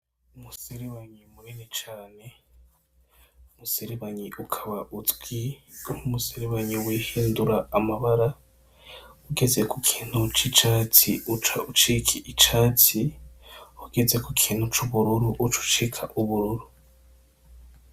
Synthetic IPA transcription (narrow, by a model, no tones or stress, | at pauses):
umuseɾeβaɲimuɾenet͡ʃaːne̞ | umuseɾeβaɲiʔukʰaβaʔut͡siumuseɾeβaɲiwehiːnduɾaːmaβaɾa | huɡe̞ze̞kukʰiːn̥hut͡ʃit͡ʃaːtʰiut͡ʃaut͡ʃikʰiʔit͡ʃaːti | huɡ̥e̞ze̞kukʰiːn̥hut͡ʃuβuɾuɾuʔut͡ʃu̥t͡ʃikʰaʔuβuɾuɾu